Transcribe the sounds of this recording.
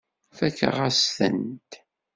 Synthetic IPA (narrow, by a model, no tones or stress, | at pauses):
fækːə̰ʁæsθə̰nt̪